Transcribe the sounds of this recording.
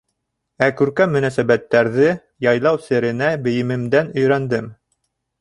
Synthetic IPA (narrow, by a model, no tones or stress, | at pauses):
ækʉɾkæmːɵ̆næsæbæt̪ːæɾðɘ | jɑjlˠɑwsɘ̆ɾɘ̆næbɘ̆jɘ̆mɘ̆md̪ænɵ̆jɾænd̪ɘm